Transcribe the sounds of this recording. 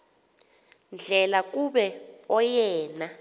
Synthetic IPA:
nd͡ɮʱɛlak̬ʼuɓɛɔjɛːna

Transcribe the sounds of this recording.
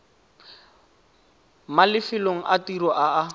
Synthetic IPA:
malɪfɪloŋ̩ʔatirɔʔaa

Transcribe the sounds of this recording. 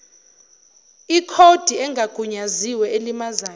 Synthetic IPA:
ikʰod̥ʱiɛŋɡʱaɡ̥ʱuɲaziwɛelimazaː

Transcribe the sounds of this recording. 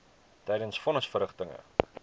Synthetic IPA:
tɛjdənsfɔnəsfəɾəχtəŋə̰

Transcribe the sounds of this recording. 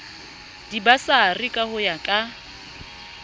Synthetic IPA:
dibasaːrikʼahʊjakʼa

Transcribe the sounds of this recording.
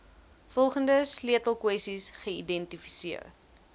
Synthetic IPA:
fɔlˠχəndəsliətəlˠkwɛsisχəidɛntifi̥siər

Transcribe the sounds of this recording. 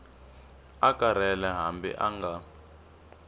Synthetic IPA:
akʼaɾɛlɛɦambḭʔaŋɡa

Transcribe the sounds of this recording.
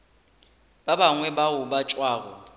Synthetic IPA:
babaŋwɛbaʊbat͡ʃʼwaːɣɔ

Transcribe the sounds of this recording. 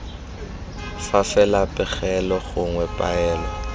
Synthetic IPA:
fafɛlapʼɪχɛlɔɣʊŋwɛpʼa̰ɛːlɔ

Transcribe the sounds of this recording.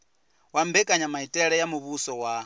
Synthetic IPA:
wambɛkʼaɲamaitʼɛɺɛjamuβusɔwa

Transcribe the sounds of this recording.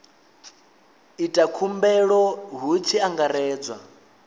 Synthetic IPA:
itʼakʰumbɛɺɔɦut͡ʃʰiaŋɡaɾɛːd͡zwa̰

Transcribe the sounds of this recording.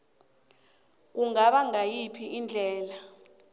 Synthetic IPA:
k̬uŋaɓaŋajipʰiʔind͡ɮʱɛːla

